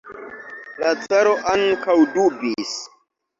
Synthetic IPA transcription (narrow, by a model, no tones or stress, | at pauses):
lat͡saɾoʔaŋkawdubis